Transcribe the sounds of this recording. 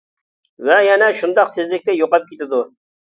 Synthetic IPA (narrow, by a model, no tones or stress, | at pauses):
vɛjɛnɛʃund̪ɑqt̪ʰezlɪk̚ʲt̪ɛjoqɑp̚kʲet̪ɪd̪u